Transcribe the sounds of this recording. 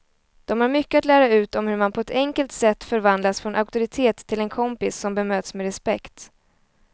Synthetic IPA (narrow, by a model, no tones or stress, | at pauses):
d̪̥ɔmhaɾmʏkːəat̪læːɾaʉ̟ːt̪ɔmhɵɾmanpʰɔɛt̪ʰɛŋkəlt̪sɛt̪ːfœɾvand̪lasfɾɔnʔaʊk̚t̪ʊɾɪt̪ʰeːt̪ʰːɪlɛnkʰɔmpɪsːɔmbɛmøːt̪smɛɾɛspɛkt̪